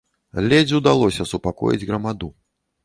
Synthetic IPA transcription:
lʲɛd͡zʲud̪alˠɔsʲɐsupakɔ̰jḭd͡zʲɣɾɐmad̪u

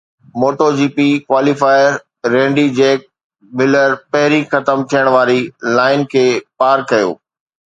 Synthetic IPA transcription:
moːʈod͡ʑiːpikwaːlifaːɪɾː | ẽːɳɖid͡ʑɛeːk̚ | mɪləɾpɐɦɪɾixɐt̪əmt̪ʰijəɽ̃ʋaːɾilaːɪnkʰeːpaːɾkɐjo̰ː

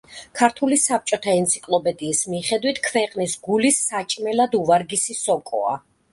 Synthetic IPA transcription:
kʰaɾt̪ʰulisap̚t͡ʃʼɔt̪ʰaɛnt̪sʰi̥kʼlˠɔpʼɛd̪iːsmiχɛd̪wit̪ʰkʰvɛqʼnisɡulisːat͡ʃʼmɛlad̪uvaɾɡisisɔkʼɔ̰a̰

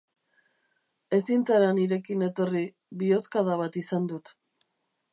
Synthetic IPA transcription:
e̞sint͡saɾaniɾe̞kine̞t̪o̞ri | βio̞skaðaβat̪isand̪ut̪

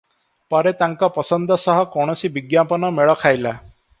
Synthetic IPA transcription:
pɔɾet̪aŋkɔpɔsɔnd̪ɔsɔɦɔkɔɽ̃ɔsibiɡjapɔnɔmeɭɔkʰajla

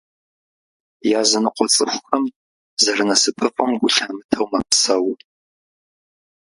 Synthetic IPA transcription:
jaːzɨnɨqʷɔt͡sʼɨ̰xʷʊxɐm | zɐrɨnɐsɨpʰɨfʼɐmɡʷʊɬaːmɨtʰɐwmɐpsɐw

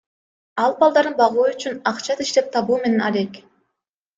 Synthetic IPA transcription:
ɑlˠbɑlˠd̪ɑɾɯnbɑʁuːyt͡ʃynɑqt͡ʃɑt̪iʃt̪e̞p̚t̪ʰɑβuːme̞ne̞nɑle̞k

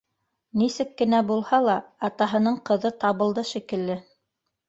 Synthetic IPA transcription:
nisɘkːɘ̆næbulˠhɑlˠɑːt̪ɑɦɤ̆nɤɴqɤ̆ðɤt̪ɑβɤ̆lˠd̪ɤʃikɘ̆lːɘ

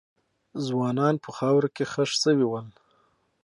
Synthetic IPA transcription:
zwɑnɑnpʰəxɑwɾakexəʂsəwiwəl

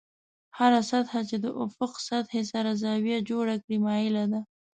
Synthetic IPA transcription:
haɾasat̪hat͡ʃed̪əʔʊfʊqsat̪hesaɾazɑwjad͡ʒoɽakɽimɑɪlad̪a

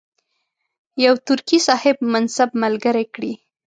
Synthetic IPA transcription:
jawt̪ʊɾkisɑhɪb̚mansabmalɡəɾejkɽi

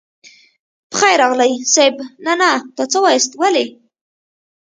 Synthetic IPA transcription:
pə̥xajɾɑɣlajsabnanat̪ɑt͡səwɑjəst̪wale

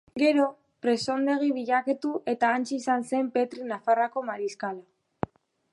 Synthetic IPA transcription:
ɡe̞ɾo̞ | pɾe̞so̞nd̪e̞ɣ̞iβiʎaket̪uʔe̞t̪aːnt͡ʃiːsanse̞mpe̞t̪ɾinafarako̞maɾiskala

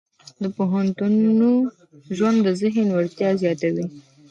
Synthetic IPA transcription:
d̪əpoɦant̪unu | ʒwand̪ːəzɪɦənwəɾt̪jɑzjɑt̪awi

